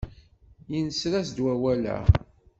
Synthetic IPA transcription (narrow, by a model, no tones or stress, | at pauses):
jinsɾæsd̪wæwælæ̰